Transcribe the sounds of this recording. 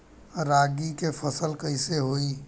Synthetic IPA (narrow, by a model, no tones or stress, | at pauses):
ɾaːɡikefʰəsəlkəɪseɦoːi